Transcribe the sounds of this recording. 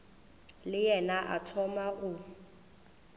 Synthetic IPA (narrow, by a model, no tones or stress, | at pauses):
lɪjɛnaʔa̰tʰɔmaʔʊ